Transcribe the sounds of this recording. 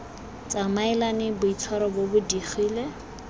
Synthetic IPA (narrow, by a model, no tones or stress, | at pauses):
t͡sʼamaɪlanɪbʊit͡sʰwaɾɔbobʊdiχiːle